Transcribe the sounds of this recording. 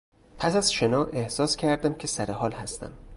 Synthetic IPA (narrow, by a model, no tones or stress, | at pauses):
pʰæsæzʃenɒːʔehsɒːscʰæɾd̪æmcʰe̞sæɾeɦɒːlhæst̪æ̰m